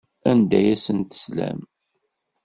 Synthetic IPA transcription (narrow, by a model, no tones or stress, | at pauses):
ænd̪æjæsənt̪ə̥slæ̰m